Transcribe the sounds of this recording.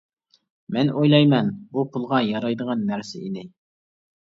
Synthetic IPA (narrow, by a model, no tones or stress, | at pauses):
mɛnojlˠɑjmɛnbupʰulˠʁɑjɑɾɑjd̪əʁɑnːæɾsɪ̰ʔid̪ɪ